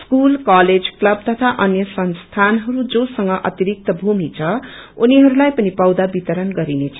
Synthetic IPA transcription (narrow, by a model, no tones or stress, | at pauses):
skulkaled͡zklʌb̚t̪ʌt̪ʰaʔʌnjʌsʌnst̪ʰanɦʌɾud͡zosʌŋɡʌʔʌ̰t̪iɾik̚t̪ʌbʱumit͡sʰʌuniɦʌɾulajpʌnipʌwd̪abit̪ʌɾʌnɡʌɾinet͡sʰʌ̥